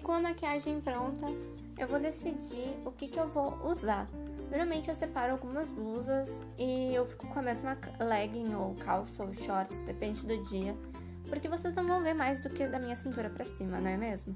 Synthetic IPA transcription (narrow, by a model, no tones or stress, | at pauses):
kõɐmakiaʒẽj̃pɾõnt̪ɐ | ḛwvowd̪esid͡ʒiʊkɪkɪewvowuza | noɾmawmẽnt͡ʃɪewsepaɾʊawɡũmɐzluzɐz | ɪewfi̥kʊ̥kõɐmezmɐ | lɛɡĩj̃owkʰawsʃɔɾt͡ʃɪ̥d̪epẽnd͡ʒɪd̪ʊd͡ʒiɐ | poɾkevoseznɐ̃w̃vɐ̃w̃veɾmajzd̪ʊkɪd̪ɐmĩɲɐsĩnt̪uɾɐpɾɐsĩmɐnɐ̃w̃ɛmezmʊ